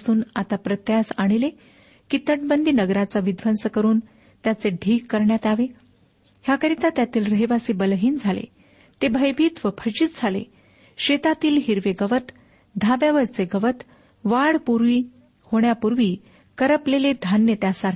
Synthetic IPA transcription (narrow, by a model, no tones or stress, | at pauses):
suːnat̪apɾət̪jasaɽ̃ile | kit̪əʈbənd̪ʱiːnəɡɾat͡saʋid̪ʱʋənsəkəɾuːn | t̪jat͡seɖʱiːkːəɾɳjat̪aʋe | hjakəɾit̪at̪jat̪iːlɾəɦiʋasiːbəlɦiːnd͡zʱalḛ | t̪ebʱəjbʱiːt̪ʋəpʰət͡ɕiːt̪̚d͡zʱalḛ | ɕet̪at̪iːlɦiɾʋeɡəʋət̪ | d̪ʱabjaʋəɾt͡seɡəʋət̪ | ʋaɽpuɾʋiː | hoɳjapuɾʋiː | kəɾəpleled̪ʱanjət̪jasaɾ